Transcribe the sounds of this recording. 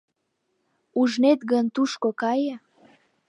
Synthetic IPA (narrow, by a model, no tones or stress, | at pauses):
uʒnet̪ɡənt̪uʃkokɑjə